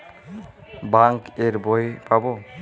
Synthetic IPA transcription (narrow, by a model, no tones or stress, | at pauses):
baŋkeɹbɔjpabɔ